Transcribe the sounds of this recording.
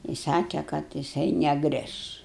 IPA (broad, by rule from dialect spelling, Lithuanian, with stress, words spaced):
ɪ ˈsɑːkʲɛ kɐt jɪˈsɐɪ nʲɛˈɡrʲɪʃ